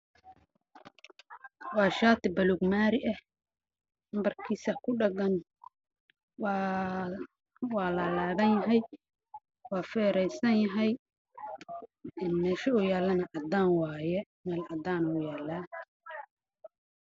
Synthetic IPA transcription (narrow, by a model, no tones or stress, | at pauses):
wɑːʃaːt̪ɪbɐlʊɡmaːɾɪʔɐh | mbɐrkʰiːsɐkʰʊɖɐɡɐn | w | wɑːlɐlaːðɐnjɐɦɛj | wɑːfɛːɾɛjsɐnjɐɦɛj | ʔɪnmɛːʃɐʊjaːlɐnɐʔɐd̪aːnwɑːjɛ | mɛːlʔɐd̪aːnʊjaːlaː